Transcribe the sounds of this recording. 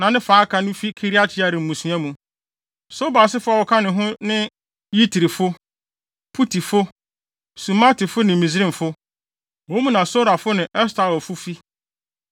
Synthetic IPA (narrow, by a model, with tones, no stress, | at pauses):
nã˨nɪ̃˦faː˨˦kʰã˨nʊ̃˦fi˦kʰi˦ɾi˦a˦t͡ɕʰɪ˦a˨ɾɪ̃˨m̩˨mũ˨su˨˦ã˦mũ˨ | so˦ba˨sɪ˦fʊ˦a˨wɔ˨kʰa˦nɪ̃˨ɦʊ̃˦nɪ̃˦ | ji˦tʰi˨ɾi˨fʊ˦ | pʰu˦tʰi˨fʊ˦ | su˨ma˦tɪ˨fʊ˦nɪ̃˨mĩ˨zɾĩ˦m̩˨fʊ˦ | wõ˨˦mũ˦nã˨so˦ɾa˨fʊ˦nɪ̃˨ʔɛ˦stʰa˨wɔ˨fʊ˦fi˦